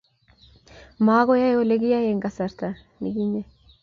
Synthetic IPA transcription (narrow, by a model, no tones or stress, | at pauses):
maːɣojajoleɡijajeŋɡasaɾt̪a | niɡiɲe